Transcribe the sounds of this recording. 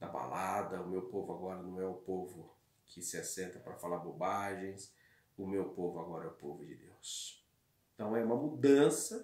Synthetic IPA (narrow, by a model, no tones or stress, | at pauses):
d̪ɐba̰lʔad̪ɐʊmewpovʊaɡɔɾɐnɐ̃w̃ɛʊpovʊ | kʰɪsɪasẽnt̪ɐpɾɐfalaɾbobaʒẽj̃s | ʊmewpovʊaɡɔɾɐɛʊpovʊd͡ʒɪ̰d̪ḛws | ẽt̪ɐ̃w̃ɛũmɐmud̪ɐ̃sɐ